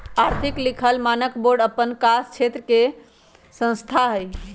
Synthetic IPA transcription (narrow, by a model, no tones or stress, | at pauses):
aɾt̪ʰiklikʰəlmanəkboɖəpːənkast͡ʃʰet̪ɾəke | sə̃ñst̪ʰaɦəj